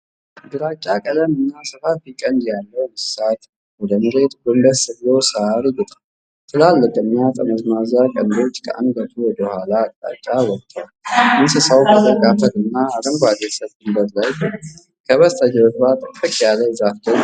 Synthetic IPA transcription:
d̪ɨɾat͡ʃʼːakʼələmɨnːasɨfat̪̚bikʼənd̪jalːəwmɨsat̪ | wɔd̪əmɨɾet̪ɡɨmbəsɨβlosəaɾiɡɨt̪ʼa | t̪ʰɨlalːəkʼɨnːjat̪ʼəməzmazakʼənd̪o̞t͡ʃːkʰə̰ʔa̰nd̪bət̪ʰuwɔd̪əhʷalatʼːa̰t͡ʃʼːawɔt̪ʰːəwalʔɨnsɨsəwkʰət̪əkʼafəlɨnːaɾəŋɡʷad̪esəβɡ̪ɨmbəɾlaj | kʰəβəst̪ʰʼəd͡ʒɛwətbat̪ʼːəkʼːəkʼjalːəzahd̪ə

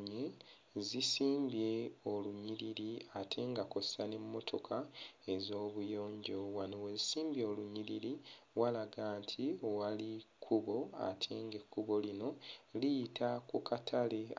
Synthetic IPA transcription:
ɲe | zisiːmbje̞oluɲiɾiɾiatʰe̞ːŋɡako̞sane̞mːo̞tʰo̞kʰae̞zo̞ːβujo̞ːɲɟo̞wanowezisiːmbjeoluɲiliɾiwalaɡaːntʰiwalikʰːuβo̞a̰tʰe̞ːŋɡe̞kʰːuβo̞lino̞lijitʰakukʰatʰale

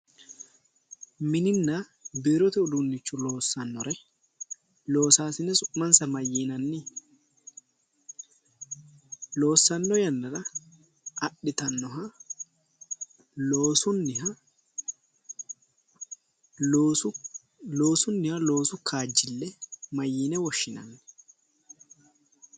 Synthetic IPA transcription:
mɪnɪnːa | bɪːɾɔt̪ɛʊd̪unːɪt͡ʃːʊloːsːɐnːɔɾɛ | loːsaːsɪnɛsʊʔmɐnsɐmɐjiːnɐnːɪ | lo̞ːsːɐnːɔjɐnːɐɾɐ | ɐɗɪt̪ɐnːɔɦɐ | oːsʊnːɪh | lo̞ːsʊnːɪhɐlo̞ːsʊkʰaːd͡ʒːɪlːɛmɐjːiːnɛwɔʃːɪnɐ̰nːɛ̥

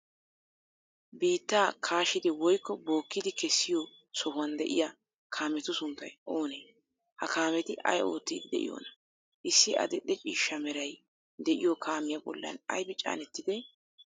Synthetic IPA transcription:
biːt̪ːaːkʰaːʃɪd̪ɛwɔjkːɔbo̞ːkːɪd̪ɪkɛsːɪjo | sɔhʊwɐnd̪ɛʔɪ̰ja | kʰaːmɛt̪ʊsʊnt̪ːɐjʔo̞ːneː | hɐkaːmɛt̪ɪʔɐ̰jo̞ːt̪ːḭːd̪ɪd̪ɛ̰ʔɪ̰jo̰ːnɐ | ʔɪsːɪʔɐ̰d̪ɛɗɛt͡ʃʼiːʃːɐmɛɾɐj | d̪ɛʔɪjokʰaːmɪjɐbɔ̰lːɐ̰nɐ̰jbɪt͡ʃʼa̰ːnɛt̪ːɪd̪ɛ

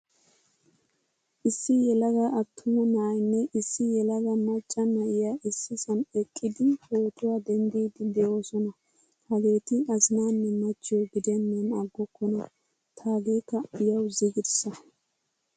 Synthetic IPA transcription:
ʔɪsːɪjɛlɐɡɐʔɐt̪ʰːʊmɔnaːjnːɛʔɪsːɪjɛlɐɡɐmɐt͡ʃʼːɐnɐʔɪjaːʔɪsːɪsɐnɛkʼːɪd̪ɪhoːt̪ʊwaːd̪ɛnd̪iːd̪ɪd̪ɛo̞ːsɔnɐ | hɐɡe̞ːt̪ɪɐzɪnaːnːɛmɐt͡ʃːɪjoɡɪd̪ɛnːɛnɐɡːɔkːɔnɐ | t̪ʰaːɡeːkːɐɪjɐwziɡɪd̪sɐ

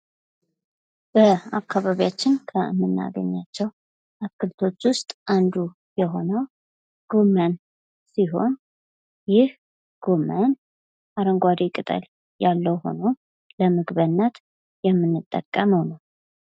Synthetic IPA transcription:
b̥əakʰːaβaβijat͡ʃːɪnkʰəmːɨnːa̰ɡə̰ɲːat͡ʃːɛw | ʔakːɨlt̪ʰo̞t͡ʃːwʊst̪ʼʔand̪u | jɛɦo̞nəw | ɡ̥o̞mən | siɦo̞n | jɪh | ɡ̥o̞mən | ʔaɾəŋɡʷad̪ekʼɨt̪ʼə̰l | jalːəwho̞̰nə | ləmɨɡβənːət̪ | jɛmːɨnːɨt̪ʼːə̰kʼːəməwnal

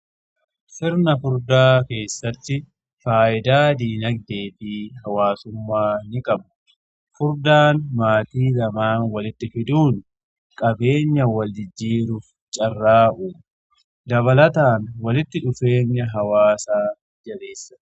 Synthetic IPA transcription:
sɪɾnɐfʊɾd̪aːke̞ːsːɐt̪ːɪ | faːʔɪd̪aːd̪iːnɐɡ̚d̪e̞ːfiːɦɐwaːsʊmːaːnɪkʼɐbʊ̥ | fʊɾd̪aːnmaːt̪iːlɐmaːnwɐlɪt̪ːɪfɪd̪uːn | kʼɐbe̞ːɲːɐwɐld͡ʒɪd͡ʒːiːɾʊf | t͡ʃʼɐrːaːʔuːm | d̪ɐβɐlɐt̪aːnwɐlɪt̪ːɪᶑʊfe̞ːɲːɐɦɐwaːsaː | d͡ʒɐbe̞ːsːɐ̥

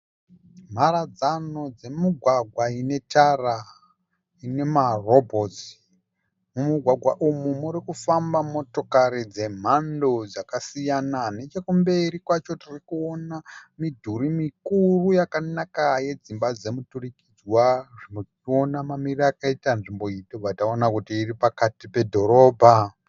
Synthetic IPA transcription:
m̤aɾad͡zano̞d͡ze̞muɡʱwaɡʱwaine̞tara | ine̞marobʱozi̥ | mumuɡʱwaɡʱwaʔumumuɾikufambamo̞to̞kaɾid͡ze̞m̤ando̞d͡zakasijanane̞t͡ʃekumbe̞ɾikwat͡ʃotirikuonamidʱuɾimikurujakanakaje̞d͡zimbad͡ze̞muturikid͡zwaʐino | io̞namamirakaitanʐimbo̞itobatao̞nakutiːripakatipe̞dʱo̞ɾo̞ːbʱa

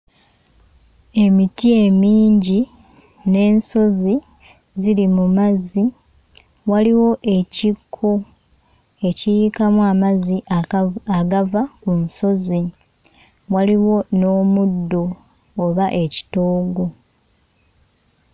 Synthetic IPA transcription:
e̞mitie̞miːɲɟi | ne̞ːnso̞zi | zilimumazi | waliwo̞ʔe̞cikʰːo | e̞cijikamuamazi | aɡavakunso̞zi | waliwo̞no̞ːmudːo̞ː | βaʔe̞ci̥toːɡo̞

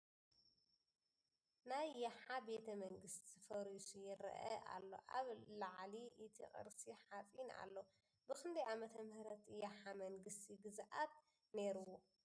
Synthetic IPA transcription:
najːaħabe̞t̪ʰɐmɐŋɡɨst̪izɨfɐɾisujɪɾɐ̰ʔɐ̰ʔa̰lːo̞̰ʔaβlaʕliʔɨt̪ʰḭʔʼɨ̰ɾsiħat͡sʼina̰lːo | bɨkɨnd̪iʕamɐt̪ʰɐmɨhɾɐt̪jaħamɐŋɡɨst̪ʰiɡɨzʔat̪̚ | ne̞ɾuwo

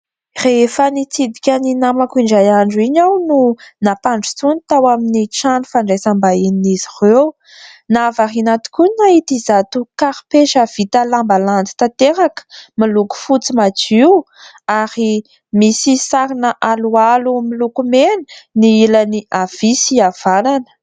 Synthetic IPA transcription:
refənit͡sid̪ikʲaninamakuiɳɖ͡ʐajaɳɖ͡ʐuiɲawnunapaɳɖ͡ʐut͡sunit̪awaminiʈ͡ʂanufaɳɖ͡ʐejsambaininizirew | navarinat̪i̥kunait̪izat̪ukaɾi̥peʃav̥it̪əlambaland͡z̪i̥t̪at̪eɾakə̥miluku̥fut͡simat͡siw | aɾi | misisaɾinəʔalualumilukumeni̥niilaniʔav̥isiav̥ananə̥

